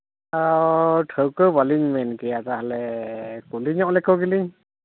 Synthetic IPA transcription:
aɔʈʰəwkəwbaliɲmɛnkɛjat̪aɦalɛkuliɲɔʔlɛkɔɡiliɲ

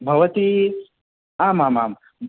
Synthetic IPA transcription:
bʱɐʋɐt̪i | aːmaːma̰ːm

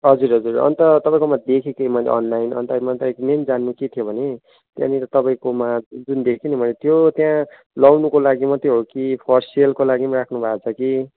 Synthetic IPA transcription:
ɦʌd͡zuɾɦʌd͡zurʌ̰nt̪ʌt̪ʌpãĩkomad̪ekʰikemʌjlḛʔʌ̰nlajnʌ̰nt̪amʌnt̪ʌekmend͡zanːuket̪ʰijobʱʌne | t̪jã̰niɾʌt̪ʌpaĩkomad͡zund̪ekʰinimʌlet̪jot̪jã | lʌwnukolaɡimʌt̪joɦokipʰʌrsielkolaɡimaɾakʰnubʱaːt͡sʰʌki

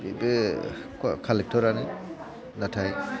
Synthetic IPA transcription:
ḛbe | kkʰalɛk̚tʰɔɾani | natʰaj

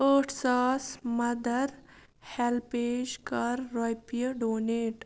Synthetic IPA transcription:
əːʈʰsaːsmɐd̪əɾ | helpeːd͡ʒkɐɾːɔjpijəɖoːneːʈ

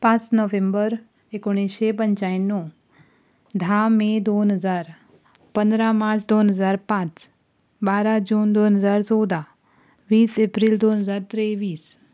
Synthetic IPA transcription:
pãsnɔʋẽmbəɾ | ekoɽ̃iʃep̬əɲt͡ʃaːjnːũ | d̪ʱaːmẽd̪onɦəzaːɾ | pənd̪ɾamaːɾt͡ʃd̪oːnɦəzaːɾpãt͡ʃ | baːɾad͡ʒuːnd̪oːnɦəzaːɾsɔːd̪a | ʋiːsepɾild̪oːnɦəzaːɾt̪ɾeʋiːs

